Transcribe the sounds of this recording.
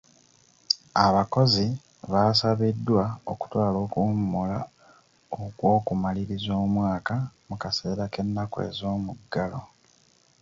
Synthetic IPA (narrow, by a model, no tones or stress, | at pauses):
aβako̞zi | βasaβidːwaoku̥twaːlo̞ːkumːola | okwo̞ːkumaliɾizo̞ːmwaːkamukase̞ːɾake̞nːakwḛzo̞ːmuɡːalo̞